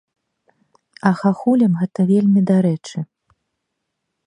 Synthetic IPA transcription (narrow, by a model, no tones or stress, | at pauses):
ɐxaxulʲɐmɣɛt̪ɐvʲelʲmʲid̪aɾɛt͡ʂɨ